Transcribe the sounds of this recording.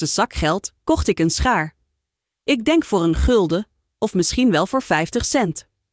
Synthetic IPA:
əz̥ɑkχɛlˠtkɔχtɪkənsχaːɹ | ʔɪɡ̚dɛŋkfʊːɹənχɵlˠdə | ɔfmɪsχinʋɛlˠvʊːɹvɛjftəχsɛnt

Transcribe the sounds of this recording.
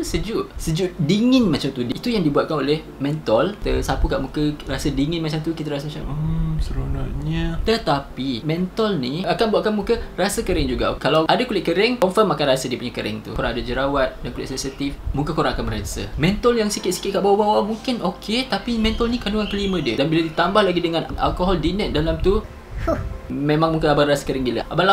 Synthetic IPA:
səd͡ʒuʔsəd͡ʒuʔdiŋɪnmat͡ʃamt̪udiit̪ujaŋdibuaʔ̪̚kanoleh | mɛ̃nt̪ɔlt̪əsapukaʔmukərasədiŋɪnmat͡ʃamt̪ukit̪̬əɾas̬əmat͡ʃa̰məsəɾona̰ʔɲat̪ət̪apimɛ̃nt̪ɔlniakanbuat̪ʔ̚kanmukərasəkəɾɪŋd͡ʒuɡa̰kalawʔadakulɪt̪ʔ̚kəɾɪŋkɔnfəmakanrasədiəpuɲakəɾɪ̰ŋt̪ṵkoɾaŋadad͡ʒəɾawat̪̚dankulɪt̪ʔ̚sɛnsit̪ifmukakoɾaŋakanməɾasə̰mɛ̃nt̪ɔljaŋsikɪt̪̚si̥kɪt̪̚kaʔbawabawamuŋkɪnokʰet̪apimɛ̃nt̪alnikanduŋankəlimə̃diədanbiladit̪ambahlaɡidəŋãnana̰lkoɦɔldinət̪̚dalamt̪u | mẽmãŋmuŋkəabarasə̥kəɾɪŋbila̰ʔabala

